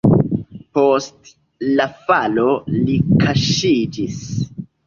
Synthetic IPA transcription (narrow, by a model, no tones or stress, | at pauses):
post | lafalo̞likʰaʃid͡ʒis